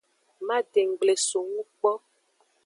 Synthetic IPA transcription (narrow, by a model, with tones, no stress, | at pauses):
ma˦de˨ŋ˨ɡ͡ble˨so˨ŋũ˦k͡pɔ˦